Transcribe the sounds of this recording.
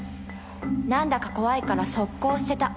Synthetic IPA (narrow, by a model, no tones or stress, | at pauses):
nãnd̪akḁko̞βaikaɾaso̞kːo̞ːsɨ̥se̞t̪a